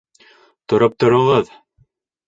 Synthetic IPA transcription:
t̪ŏɾɤp̚t̪ŏɾŏʁɤð

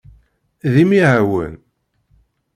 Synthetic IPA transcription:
ðimiɦæwə̰n

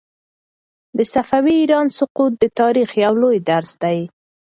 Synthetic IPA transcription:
d̪əsafawiːɾɑnsʊqut̪̚d̪ət̪ɑɾixjawlojd̪aɾsd̪aj

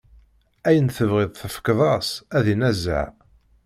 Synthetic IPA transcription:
æjənθəvʁɪðˤθəfə̥kðˤɑsæðinæzə̰ʕ

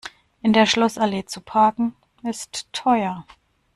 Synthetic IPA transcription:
ʔɪndeːɐʃlɔsaleːt͡supʰaːkŋ̩ | ɪstʰːɔʏɐ

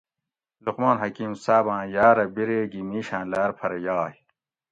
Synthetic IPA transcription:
luqmaːnɦɐkiːmsaːbãːjaːɾɐbiɾeːɡimiːɕãːlaːɾpʰɐɾɐjaːh

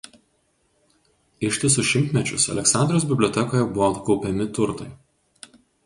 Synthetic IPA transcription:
ɪʃʲt̪ʲɪsʊʃʲɪmʲt̪ʲmʲɛt͡ʃʲʊsɐ̰lʲɛksɑˑnʲd̪ɾoːs̬bʲɪbʲlʲoːt̪ʲɛkoːjɛbʊʋot̪kɒʊpʲɛmʲɪt̪ʊɾt̪ɐɪ

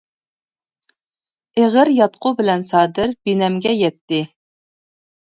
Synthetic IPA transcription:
eʁəɾjɑt̪̚qʰʊbɪlɛnsɑːd̪ɪɾbinɛmɡʲɛjɛt̪ːɪ

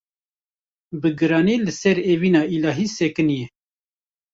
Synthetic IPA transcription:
bɨɡɨɾɑːneːlɨsɛɾeːvinɑːilɑːɦiːsɛkɨnijɛ

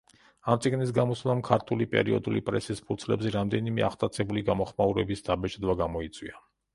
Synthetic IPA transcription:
amt̪sʼiɡnis̬ɡamɔslˠamkʰaɾt̪ʰulipʼɛ̰ɾiɔ̰d̪ulipʼɾɛsispʰuɾt̪sʰlɛ̰bzɛɾamd̪ɛnimɛ̰a̰χt̪ʼat̪sʰɛbuliɡamɔχmauɾɛbisd̪abɛt͡ʃʼd̪vaɡamɔit̪sʼwḭa

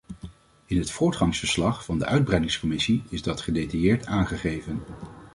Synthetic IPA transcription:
ɪnɦətfʊːɹtχɑŋsfəɹslɑχfɑndə̰ʔœɥd̚brɛjdɪŋskɔmɪsiɪzdɑtχədejtɑjɪːɹtʰaːnχəχejvən

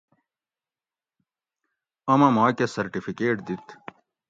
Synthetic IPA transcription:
ɐmɐmaːkesɐɾʈifikeːʈd̪it̪

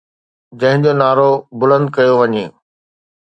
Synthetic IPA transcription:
d͡ʑɐ̃ɦɪ̃ɲd͡ʑonaːɾobʊlə̃nd̪̚kɐjoʋɐɲeː

